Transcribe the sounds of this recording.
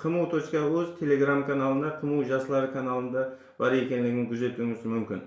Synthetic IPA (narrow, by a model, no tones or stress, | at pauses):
qʰəmuwt̪ʰot͡ʃkɑwɵzt̪ʰe̞le̞ɡramkʰanalˠənd̪ɑqʰəməwʒɑsəlˠɑɾəkʰanalˠənd̪ɑ | b̥ɑɾe̞kʲe̞nlɪɡʲɪŋkʲʰʊze̞t̪uɪŋɪzmʏmkʲɪ̰n